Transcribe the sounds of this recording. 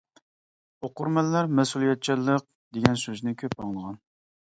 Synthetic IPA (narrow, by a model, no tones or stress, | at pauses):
oqʊɾmɛlːæɾmɛsulˠijɛt̪̚t͡ʃʰilˠːəq̚ | d̪eɡʲɛnsøznɪkʲʰøp̚bɑŋlˠəʁɑn